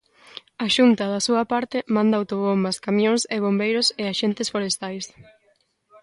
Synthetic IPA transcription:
ɐʃunt̪ɐðɐsuɐpaɾt̪ɪmãnd̪ɐawt̪oβombɐskamjõŋsɪβ̞ombejɾʊsɪaʃent̪ɪsfoɾest̪ajs

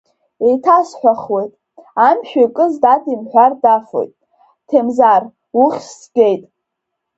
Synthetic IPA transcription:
ejtʰasħʷᶣaχwejtʼ | amʃᶣokʼɨzdatʰʼimħʷᶣardafo̰jtʼ | tʰemzar | uχʲsɡ̥ʲe̞jtʼ

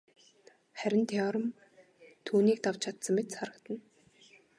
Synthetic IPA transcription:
χæɾʲɪ̆nt̪ʰɔːɾə̆m | t̪ʰuːniːk̚t̪awt͡ɕʰat̪sə̆mːet̪saɾə̆kt̪ə̆n

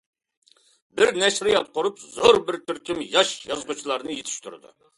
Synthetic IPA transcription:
bɪɾnɛʃɾɪjɑt̪̚qʊɾupzoɾbɪɾt̪ʰyɾkʲʰimjɑʃjɑzʁut͡ʃʰilˠɑɾnɨjet̪ʰɪ̥ʃt̪ʰuɾɨ̰d̪ṵ

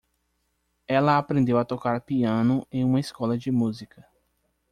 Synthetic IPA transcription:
ɛlɐapɾẽnd̪ewat̪okaɾɐpiɐ̃nʊẽj̃ũmɐiskɔlɐd͡ʒɪmuzikɐ

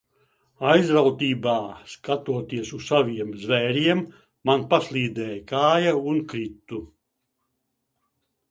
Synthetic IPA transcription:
ajzɾawt̪iːbaːskat̪uɔt̪iɛsussavʲiɛmzvɛːɾiɛmː | anpaslˠiːd̪ɛːjkaːjaunkɾit̪ːu

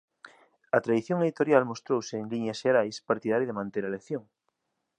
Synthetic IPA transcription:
ɐt̪ɾaðiθjoŋeðit̪oɾjalmost̪ɾowseːŋliɲasʃeɾajspaɾt̪iðaɾiðemãnt̪eɾaleθjoŋ

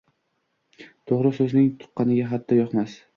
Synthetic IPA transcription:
t̪ʰoʁɾɪsɵznɪŋt̪ʰʊ̥qːɑnɪɡʲaɦad̪ːɒjɒqmas

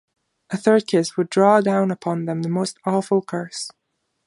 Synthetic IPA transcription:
ʔəθɜ˞kʰɪswədɹɔdãʊ̃nəpʰɑ̃nðə̃mðəmoʊstɔfəlˠkʰɜ˞s

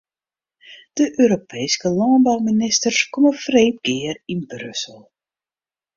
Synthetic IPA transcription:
d̥əʔøːɾopʰejskəlɑnbawminɪstərskɔməfreːp̚ɡɪːərinbrʏ̰səl̩ˠ

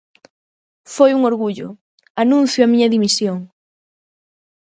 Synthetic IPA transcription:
fojuŋoɾɣuʎʊ̰ | anũn̟θjoamiɲɐðimisjoŋ

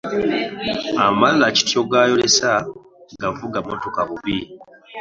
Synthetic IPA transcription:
amallaci̥tjoɡaːjolesa | ɡavuɡamotokaβuβi

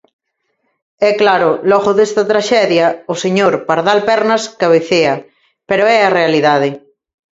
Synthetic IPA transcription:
ɛklaɾʊlɔɣoðest̪ɐt̪ɾaʃɛðjɐoseɲoɾpaɾðalpɛɾnɐskaβeθeɐ | peɾoɛarealiðaðɪ

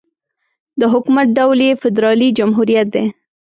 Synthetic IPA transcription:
d̪əɦʊkumat̪̚ɖawljefɪd̪ɾɑlid͡ʒamɦuɾijat̪̚d̪e

